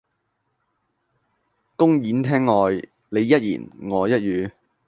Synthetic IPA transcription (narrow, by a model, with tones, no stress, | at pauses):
kʊ˥ŋjiː˨˥nt̪ʰɛː˥ŋːɔː˨˧j | ne˨˧jːɐ˥t̚jḭː˨˩nŋɔː˨˧jɐ˥t̚jyː˨˧